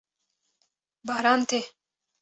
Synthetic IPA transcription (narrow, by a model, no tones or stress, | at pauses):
bɑːɾɑːnt̪ʰe